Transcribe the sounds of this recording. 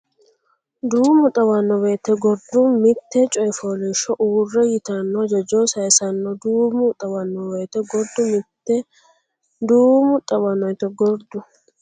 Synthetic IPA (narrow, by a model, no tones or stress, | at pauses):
d̪uːmʊt̪ʼɐwɐnːɔweːt̪ːɛɡɔɾd̪ʊmɪt̪ːɛt͡ʃʼɔjfoːlɪʃɔʔuːrːɛjɪt̪ɐnːɔd͡ʒɛd͡ʒoːsɐjsɐnːɔd̪uːmʊt̪ʼɐwɐnːɔweːt̪ɛɡɔɾd̪ʊmɪt̪ːɛ | d̪uːmʊt̪ʼɐwɐnːɔjt̪ɛɡɔɾd̪ʊ